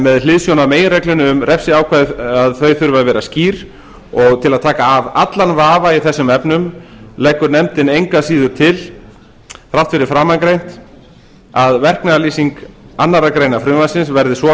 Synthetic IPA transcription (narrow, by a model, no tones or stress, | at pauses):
mɛðlɪðsjownameːjɪnɾrɛjklʏnʏʏmrɾʔɛpsɪaːwkʰaːðaðθœɥθʏɾvaðvɛːɾasciːɾ̥ | ɔɣt̪ʰɪlaðt̪ʰaːkaːvat̪lanvaːvaiθɛsːʏmɛpnʏmlɛjkːʏɾnɛmt̪ɪnejŋkasiːðʏɾ̥t̪ʰɪl | θɾaw̥ht̪fɪɾɪfɾaːmankɾejn̥t̪ | aðvɛr̥knaaliːsiŋkanːaɾakɾeːjnafɾʏːmasɪnsvɛɾðɪsvɔ